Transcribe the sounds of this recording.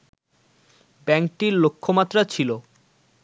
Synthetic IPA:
bɛŋk̚ʈiɾlokʰːomat̪ːɾat͡ɕʰilo

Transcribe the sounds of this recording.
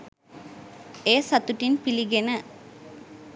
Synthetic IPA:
eːsɐt̪uʈinpiliɡenə

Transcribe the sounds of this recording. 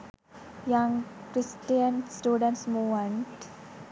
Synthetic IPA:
jãŋkɾisʈijənsʈuːɖə̃ɳʈsmuməɳʈ

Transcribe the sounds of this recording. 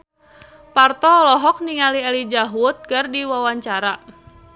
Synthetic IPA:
part̪ɔlɔɦɔk̚niŋaliɛlid͡ʒaɦut̪̚kardiwawaɲt͡ʃaɾa

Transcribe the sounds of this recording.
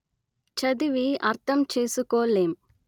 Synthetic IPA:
t͡ʃɐd̪iʋiɐɾt̪ʰɐmt͡ʃe̞ːsukoːleːm

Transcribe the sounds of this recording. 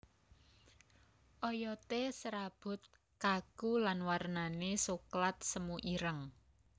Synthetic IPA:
ʔɔjɔt̪esəɾab̥ʊ̤t̪̚ | kakulanwarnanesuklat̪̚səmuʔiɾəŋ

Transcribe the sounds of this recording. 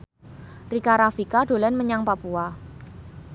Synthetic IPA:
rikaɾafikaɖo̤lɛnməɲaŋpapua

